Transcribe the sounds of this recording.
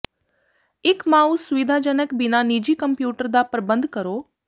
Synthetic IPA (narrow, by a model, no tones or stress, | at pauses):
ɪkmaːusʊʋɪd̪ʱad͡ʒənəkbɪnanid͡ʒiːkəmpjuːʈəɾd̪apɾəbə̃nd̪ʱkəɾoː